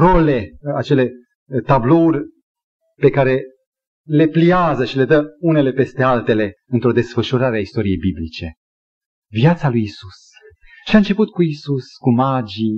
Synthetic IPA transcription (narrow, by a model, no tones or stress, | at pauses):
ro̞le̞at͡ʃe̞le̞ | t̪ablo̞urʲ | pe̞kaɾe̞ | le̞pliazəʃile̞d̪əune̞le̞pe̞st̪e̞alt̪e̞le̞ | ɨnt̪ɾo̞d̪e̞sfəʃuɾaɾeaist̪o̞ɾije̞jbiblit͡ʃe̞ | vjat̪salujisus | ʃiaɨnt͡ʃe̞put̪kuisuskumad͡ʒi